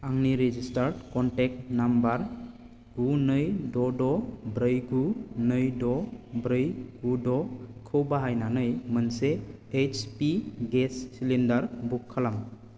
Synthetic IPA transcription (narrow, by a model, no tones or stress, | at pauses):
aŋniɾed͡ʒistaɾɖkɔnʈek̚nambaɾ | ɡunɯjdɔdɔbɾɯjɡunɯjdɔbɾɯjɡudɔkʰɯwbaɦajnanɯjmənseet͡ʃpiɡesːilendaɾbukʰːəlam